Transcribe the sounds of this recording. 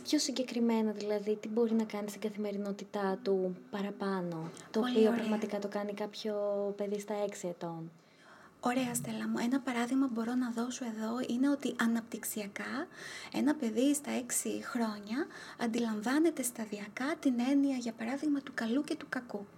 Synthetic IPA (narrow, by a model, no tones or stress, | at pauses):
pço̞siɲɟe̞kɾime̞nɐðilɐðit̪ibo̞ɾinɐkɐnist̪iŋɡɐθime̞ɾino̞t̪it̪ɐt̪upɐɾɐpɐno̞t̪oːoiopɾɐɣmɐt̪ikɐt̪o̞kɐnikɐpçope̞ðist̪ɐeksie̞t̪o̞n | o̞ɾe̞ɐst̪elɐmue̞nɐpɐɾɐðiɣmɐbo̞ɾo̞nɐðo̞so̞e̞ðo̞ine̞o̞t̪iʔɐnɐp̚t̪iksiɐkɐe̞̰nɐpe̞ðist̪ɐe̞ksixɾo̞ɲɐɐ̰nd̪ilɐɱvɐne̞t̪e̞st̪ɐðiɐkɐt̪ine̞niɐʝɐpɐɾɐðiɣmɐt̪ukɐluce̞t̪ukɐku